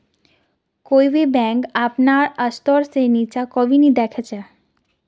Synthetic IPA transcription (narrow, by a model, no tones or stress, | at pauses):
koːibebɛ̃kaːpnaəst̪ɔɾsenit͡ʃakɔʋinĩd̪ɛːkʰɛt͡ʃɛ